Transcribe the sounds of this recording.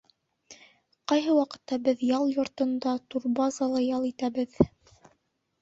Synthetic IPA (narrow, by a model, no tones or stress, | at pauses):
qɑjɦɤwɑqɤ̥̆t̪ːɑbɘðjɑlˠjŏɾt̪ɤ̆nd̪ɑt̪uɾbɑzɑlˠɑjɑlˠit̪æbɘð